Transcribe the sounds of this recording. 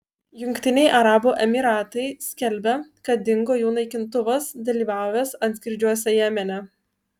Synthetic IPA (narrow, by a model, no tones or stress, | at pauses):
jʊŋʲkʲt̪ʲɪnʲɛɪʔɐɾɑːbuʔɛmʲiɾɑːt̪ɐɪsʲkʲɛlʲbʲɛkɐt̪̚d̪ʲɪŋɡoːjuːnɐɪkʲɪnt̪ʊʋɐsd̪ɐlʲiːʋɑˑʊjʲɛsɐnt̪ʲkʲɪɾʲd͡ʒʲuɔsʲɛjæːmʲɛnʲɛ